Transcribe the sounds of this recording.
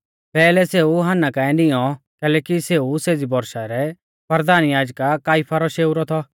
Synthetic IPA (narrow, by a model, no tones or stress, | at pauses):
pɛːlɛseːuɦanːakãːɛ̃dɪjɔ | kɛːlɛːkiseːuseːd͡zibɔɾʃaɾɛ | pəɾd̪aːnjaːd͡ʒkakaːɪpʰaɾɔʃeːuɾɔt̪ʰɔ